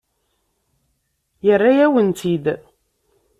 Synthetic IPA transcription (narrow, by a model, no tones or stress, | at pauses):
jərːajæwənt̪ʰid̪